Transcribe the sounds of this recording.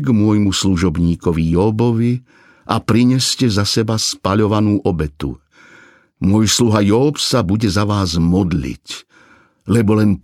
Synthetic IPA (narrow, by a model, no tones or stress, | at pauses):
ɡmʊɔjmusluʒɔbɲiːkɔʋijɔbɔʋi | ʔa̰pɾiɲɛscɛzasɛbaspaʎɔʋanuːʔɔbɛt̪ṵ | mʊɔjsluɦajɔːpsabuɟɛzaʋaːzmɔd̪lḭc | lɛbɔlɛn